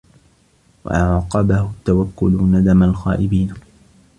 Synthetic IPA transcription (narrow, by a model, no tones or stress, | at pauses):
wa̰ʔɑʕqɑbahʊt̪ːawakːʊlnad̪amalxa̰ːʔɪbiːn